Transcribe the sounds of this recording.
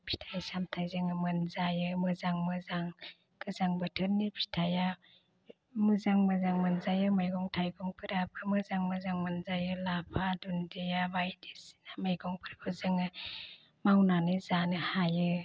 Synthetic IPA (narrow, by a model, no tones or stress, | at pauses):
pʰi̥tʰajasamtʰajzɯŋɯmɯnzajɯmɯzaŋmɯzaŋ | ɡɯzaŋbɯtʰɯnːipʰi̥tʰaja | mɯzaŋmɯzaŋmɯnzajɯmajɡɔŋtʰajɡɔŋpʰɯɾabɯmɯzaŋmɯzaŋmɯnzajɯlapʰadundijabajdisi̥namajɡɔŋpʰɯɾbʰɯzɯŋɯ | mawnanizanɯhajɯ